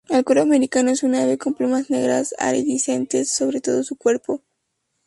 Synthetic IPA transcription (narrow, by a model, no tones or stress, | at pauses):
elkwoɾoameɾikanoesunaβesko̞mplumasne̞ɣɾa̰sa̰ɾeðisent̪e̞sːo̞βɾe̞t̪o̞ðosukwe̞ɾpo̞